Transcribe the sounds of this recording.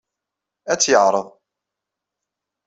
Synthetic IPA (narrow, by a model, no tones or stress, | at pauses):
æt͡sːjəʕɾˤəðˤ